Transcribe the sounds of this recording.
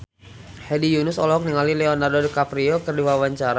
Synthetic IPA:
hɛdijunʊsɔlɔɦɔk̚niŋalilɛɔnardɔdikapɾiɔkərdiwawaɲt͡ʃaɾa

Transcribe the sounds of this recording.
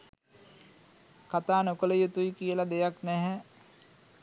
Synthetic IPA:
kat̪aːnokələjut̪ujkijəlad̪ejaknɛɦɛ

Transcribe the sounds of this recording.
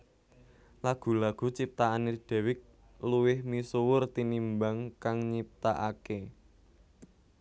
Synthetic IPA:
laɡ̥ṳlaɡ̥ṳt͡ʃip̚t̪aaned̪̥ɛ̤wɪk̚ | luwɪhmisowʊrt̪inimbaŋkaŋɲip̚t̪aʔake

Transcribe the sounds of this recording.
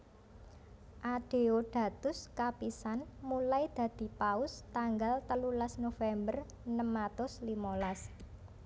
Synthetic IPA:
ʔaɖ̥e̤oɖ̥ä̤t̪ʊskapisanmulajd̪̥ä̤d̪̥i̤paʊst̪aŋɡalt̪əlulasnofɛmbər | nəmat̪ʊslimolas

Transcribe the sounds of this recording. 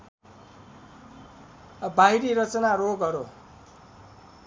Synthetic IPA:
bajɾiɾʌt͡sʌnaɾoɡʌɾo

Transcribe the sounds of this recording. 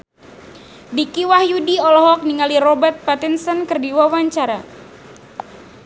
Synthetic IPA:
dikiwahjudiɔlɔɦɔk̚niŋaliɾɔbərt̪̚pat̪insənkərdiwawaɲt͡ʃaɾa

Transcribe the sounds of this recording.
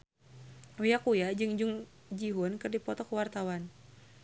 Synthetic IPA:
ujakujad͡ʒɨŋd͡ʒuŋ | d͡ʒiɦunkɨrdipɔt̪ɔkəwart̪awan

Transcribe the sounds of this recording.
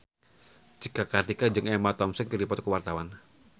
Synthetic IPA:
d͡ʒikakart̪ikad͡ʒɨŋɛmat̪ɔmsənkirdipɔt̪̚kəwart̪awan

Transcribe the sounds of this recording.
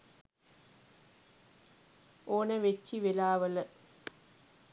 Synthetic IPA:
ʔoːnɐʋet͡ʃːiʋelaːʋɐlɐ

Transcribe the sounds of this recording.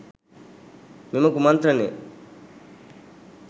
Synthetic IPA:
mimɐkumɐnt̪ɾɐne

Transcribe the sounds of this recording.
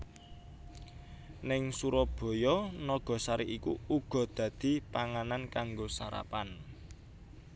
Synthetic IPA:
nɪŋsuɾɔb̥ɔ̤jɔnɔɡ̥ɔ̤saɾiʔikṵuɡ̥ɔ̤d̪̥ä̤d̪̥i̤paŋanankaŋɡosaɾa̰pan

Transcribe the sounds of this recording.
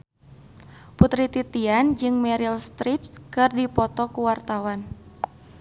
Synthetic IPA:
put̪ɾit̪it̪iand͡ʒɨŋmɛɾilst̪ɾipskɨrdipɔt̪ɔkuwart̪awan

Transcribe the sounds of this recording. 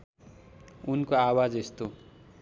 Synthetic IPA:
unkoawad͡zest̪o

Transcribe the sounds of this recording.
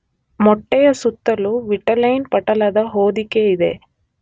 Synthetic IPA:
mɔʈːɛjɐsut̪ːɐluʋiʈɐlɐjnpɐʈɐlɐd̪ɐɦoːd̪ikeid̪e̞̰

